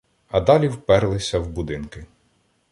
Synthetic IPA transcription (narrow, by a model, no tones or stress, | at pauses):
ɐd̪ɑlʲiwpɛɾlˠɪsʲɐwbʊd̪ɪnkɪ